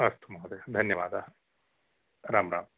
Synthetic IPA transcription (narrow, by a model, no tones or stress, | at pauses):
ɐst̪ʰumaːd̪ed̪ʱɐnjɐʋaːd̪a | ɾaːmɾa̰ːm